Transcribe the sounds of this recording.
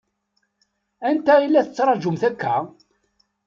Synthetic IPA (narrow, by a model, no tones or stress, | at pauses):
ænt̪æilːæθət͡sːɾˤɑd͡ʒʊmθækːæ